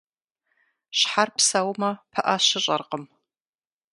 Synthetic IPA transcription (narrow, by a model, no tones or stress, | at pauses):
ʃħarpsɐwmɐpʰɐʔɐʃɪɕʼɐrqəm